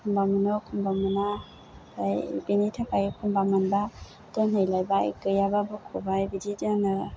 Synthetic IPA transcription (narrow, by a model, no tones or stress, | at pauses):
kʰumbamɯnɔkʰumbamɯna | ajbenitʰakʰajkʰumbamɯnba | tɯnɯjlajbaj̰kɯjababɯkʰobajbid͡ʒed͡ʒanɯ